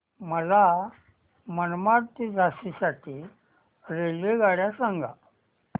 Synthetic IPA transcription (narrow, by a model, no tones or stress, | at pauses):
məla | mənmaɾt̪id͡zasisaʈʰiː | ɾeleɡaɽjasãŋɡʱa̰